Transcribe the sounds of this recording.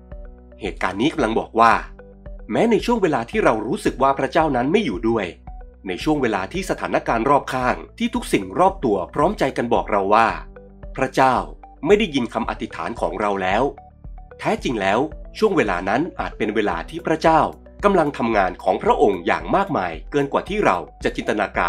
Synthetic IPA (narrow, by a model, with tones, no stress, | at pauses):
heː˨˩t̪̚ka̰ː˧nːiː˦˥ka˧mla˧ŋbɔ̰ː˨˩k̚waː˥˩ | mɛː˦˥na˧jt͡ɕʰu˥˩əŋweː˧laː˧t̪ʰiː˥˩ɾa˧wɾuː˦˥sɯ˨˩k̚waː˥˩pʰɾa˦˥t͡ɕaː˥˩wna˦˥nma˥˩jːuː˨˩du˥˩əjna˧jt͡ɕʰu˥˩əŋweː˧laː˧t̪ʰiː˥˩sa˧t̪ʰaː˩˦nːa˦˥kaː˧nɾɔː˥˩p̚kʰaː˥˩ŋt̪ʰiː˥˩t̪ʰu˦˥k̚si˨˩ŋɾɔː˥˩p̚t̪u˧ɐpʰɾɔː˦˥mt͡ɕa˧jka˧nbɔ̰ː˨˩k̚ɾa˧wːaː˥˩ | pʰɾa˦˥t͡ɕaː˥˩wma˥˩jda˥˩ji˧nkʰa˧mʔa̰˨˩t̪ʰi˦˥t̪ʰa̰ː˩˦nkʰɔ̰ː˩˦ŋɾa˧wlɛː˦˥w | t̪ʰɛː˦˥t͡ɕi˧ŋlɛː˦˥wt͡ɕʰu˥˩əŋweː˧laː˧na˦˥nʔaː˨˩t̪̚pe˧nweː˧la̰ː˧t̪ʰiː˥˩pʰɾa˦˥t͡ɕaː˥˩w | ka˧mla˧ŋt̪ʰa˧mŋaː˧nkʰɔː˩˦ŋpʰɾa˦˥ʔo˧ŋja̰ː˨˩ŋmaː˥˩k̚maː˧jkɤː˧nkwaː˨˩t̪ʰiː˥˩ɾa̰˧wt͡ɕa˨˩t͡ɕi˧nt̪a˧naː˧ka̰ː˧